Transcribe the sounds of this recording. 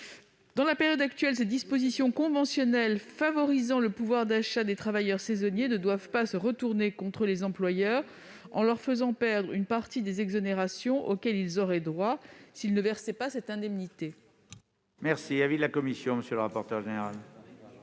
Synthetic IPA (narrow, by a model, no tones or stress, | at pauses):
d̪̥ɑ̃lapeʁjɔd̪akt̪ɥɛlsed̪ispozisjɔ̃kɔ̃vɑ̃sjɔnɛlfavɔʁizɑ̃ləpuvwaʁd̪aʃad̪et̪χavajœʁsezɔnjenəd̪wavpasəʁət̪uʁnekɔ̃t̪χəlezɑ̃plwajœːʁ | ɑ̰̃lœʁfəzɑ̃pɛʁd̪ʁynpaʁt̪id̪ezɛɡzɔneʁasjɔ̃ʔokʲɛlilzɔʁɛd̪ʁwasilnəvɛʁsɛpasɛt̪ɛ̃d̪ɛmnit̪e | mɛʁsiavid̪lakɔmisjɔ̃məsjøləʁapɔʁt̪œʁʒeneʁal